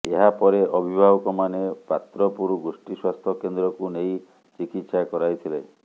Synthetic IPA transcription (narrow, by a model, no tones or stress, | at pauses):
eɦapɔɾeʔɔbʱibʱabɔkɔmanepat̪ɾɔpuɾɡusʈiswast̪ʰɔkend̪ɾɔkunej | t͡ʃikit̪sakɔɾajt̪ʰile